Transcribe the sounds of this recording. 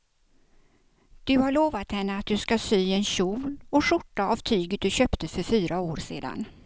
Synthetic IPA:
d̪̥ɵhaɭoːvat̪hɛnːəat̪̚d̪ɵskasyːɛnɕuːlɔʂʊʈːaavt̪ʰyːɡət̪̚d̪ɵɕœːpt̪əfœɾfyːɾaoːɾsḛːd̪a̰n

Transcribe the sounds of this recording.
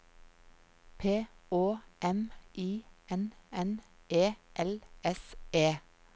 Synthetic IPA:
pʰeːoːʔɛmʔiːɛnɛnʔeːʔɛlɛseː

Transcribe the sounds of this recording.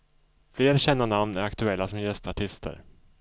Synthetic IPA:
fleːɾɕɛnːaɳamnæɾakt̪ɵɛlːasɔmjɛst̪aʈʰɪst̪ʰə̰ɾ

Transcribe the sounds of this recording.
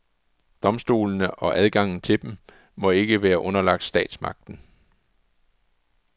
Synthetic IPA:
d̥ɒ̽msd̥o̝̰ːln̩əʔɒ̽ʔæð̞ˠɡ̥ɑ̈ŋ̰n̩t͡sʰe̝d̥em | mɒ̽e̝ɡ̥əʋæːɐʔɔ̽nɐlɑ̈ɡ̥d̥sd̥ɛ̰ːd̥smɑ̈ɡ̥̚d̥n̩

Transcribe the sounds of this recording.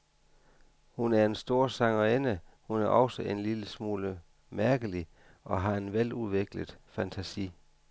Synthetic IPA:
hunæɐe̝nsd̥o̝ːɐ̰sɑ̈ŋɐenəhunæɐʔɒ̽ʊsəʔe̝nliləsmuːlə | mæɐɡ̥əli | ʔɒ̽ɦɑ̈e̝nʋeluðˠʋeɡ̥ləðˠfænt͡sʰæsḭː

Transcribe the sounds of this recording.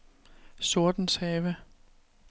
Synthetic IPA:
so̝ɐd̥n̩shɛːʋə

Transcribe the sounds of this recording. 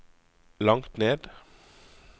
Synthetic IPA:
lɑŋt̪neːd̪

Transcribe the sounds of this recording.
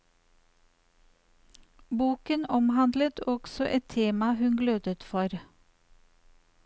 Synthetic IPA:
buːkənɔmhɑnd̪lət̪ʰɔɡ̥sɔʔɛt̪ʰeːmɑhʉnɡløːd̪ət̪fɔɾ

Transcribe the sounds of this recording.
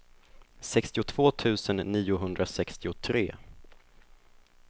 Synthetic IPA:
sɛkst̪ɪʊt̪ʰv̥oːt̪ʰʉ̟ːsənːiːʊɦɵnd̪ɾasɛkst̪ɪʊt̪ʰɾḛː

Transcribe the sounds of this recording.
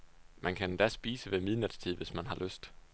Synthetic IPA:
mænkʰænd̥æsb̥iːsəʋemiðˠnəd̥ˠst͡sʰið̰ˠʋe̝smænɦɑ̈løsd̥

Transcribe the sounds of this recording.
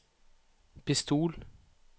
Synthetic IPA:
pʰɪst̪ʰuːl

